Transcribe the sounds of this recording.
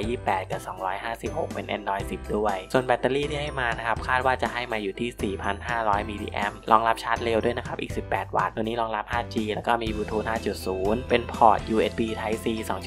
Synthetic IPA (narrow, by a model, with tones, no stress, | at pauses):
jiː˥˩ppːɛː˨˩t̪̚kaː˨˩sɔː˩˦ŋɾɔː˦˥jɦaː˥˩si˨˩p̚ho˨˩k̚pe˧nʔɛ̰˧ndɔː˧jsi˨˩p̚du˥˩əjsu˨˩ənbɛ˧˥t̪ːaː˧liː˥˩t̪ʰiː˥˩a˥˩jmaː˧na˦˥kʰa˦˥p̚kʰaː˥˩t̪̚waː˥˩t͡ɕa˨˩ʔɦa˥˩jmaː˧juː˨˩t̪ʰiː˥˩siː˨˩pʰa˧nɦaː˥˩ɾɔː˦˥jmiː˧dḭː˧ʔɛ̰˦˥mlɔː˧ŋla˦˥p̚t͡ɕʰaː˦˥t̪̚le˧wdu˥˩əjna˦kʰa˦p̚ʔiː˨˩k̚si˨˩pːɛː˨˩t̪̚wa̰ː˨˩t̪̚ːu˧nːiː˦˥lɔː˧ŋɾa˦˥p̚haː˥˩t͡ɕiː˧lɛː˦˥wkɔː˥˩miː˧buː˧t̪ʰuː˧naː˥˩t͡ɕu˨˩t̪̚suː˩˦npe˧npʰɔː˨˩t̪̚juː˧ʔeː˦˥t̪̚biː˧t̪ʰa˦˥jsiː˧sɔː˩˦ŋs